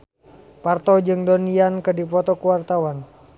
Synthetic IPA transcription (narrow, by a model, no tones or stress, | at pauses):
part̪ɔd͡ʒɨŋdoniankədipɔt̪ɔkuwart̪awan